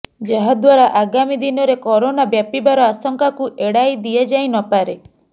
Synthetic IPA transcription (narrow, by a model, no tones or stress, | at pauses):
d͡ʒaɦad̪waɾaʔaɡamid̪inɔɾekɔɾonabjapibaɾɔasɔŋkakuʔeɽajd̪iad͡ʒajnɔpaɾe